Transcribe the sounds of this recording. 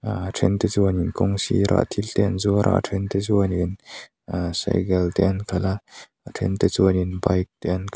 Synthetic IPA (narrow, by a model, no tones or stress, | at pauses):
atʰɛnt̪ɛt͡suəninkɔŋsḭɾʔa̰ʔt̪ʰilt̪ɛnzuɾʔa̰ʔtʰɛnt̪ezuənin | asa̰jɡɛlt̪ɛankʰala | atʰɛ̰nt̪et͡suninbajk̚t̪ɛankʰ